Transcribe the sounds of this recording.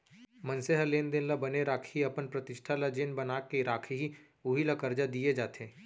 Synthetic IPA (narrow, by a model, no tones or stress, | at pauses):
mɐ̃nseɦəleːnd̪enlabɐneɾaːkʰiɐpənpɾɐt̪ɪʃʈʰalad͡ʒeːnbɐnaːkeɾaːkʰɦi | ʊɦilɐkəɾd͡ʒad̪ied͡ʒaːt̪ẽː